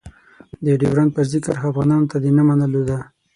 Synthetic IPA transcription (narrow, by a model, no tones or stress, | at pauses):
d̪əɖewɾan̚pəzɪkəɾafɣɑnɑnot̪ad̪enamanəlod̪a